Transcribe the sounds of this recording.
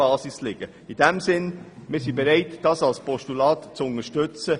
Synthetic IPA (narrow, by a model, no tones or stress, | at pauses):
ɑːsɪslɪɡ̥ə | ɪd̥ɛmzɪnmɪːsibeɾaɪtd̥ɑsɑlspʰɔʃtulɑːtt͡sʊnəʃtʏt͡sə